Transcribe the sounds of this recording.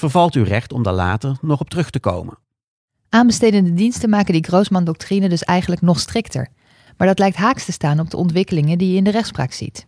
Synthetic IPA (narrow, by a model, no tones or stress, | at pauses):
v̥əɹvɑlˠtywrɛχtɔmda̰ɹla̰ːtəɹnɔχɔp̚tərɵχtəko̰wmə̰n | ʔaːnbəstejdəndədinstənmaːkəndiɡrowsmɑndɔk̚trinəndɵsɛjχənləknɔχstrɪktə̰ɹ | maːɹdɑtlɛjk̚tɦaːkstəstaːnɔb̚dəʔɔntʋɪkəlɪŋədijəɪndərɛχtspra̰ːksḭt